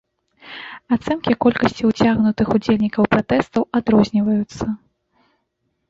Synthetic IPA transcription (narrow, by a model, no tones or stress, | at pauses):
at̪sɛnkʲikɔlʲkɐsʲt͡sʲiwt͡sʲaɣnut̪ɨxud͡zʲelʲnʲikɐwpɾat̪ɛst̪ɐwad̪ɾɔzʲnʲivɐjut̪sːɐ